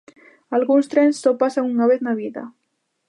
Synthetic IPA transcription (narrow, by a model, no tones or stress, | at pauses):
alɣunst̪ɾensːopasaŋuŋnɔβeznaβiða̰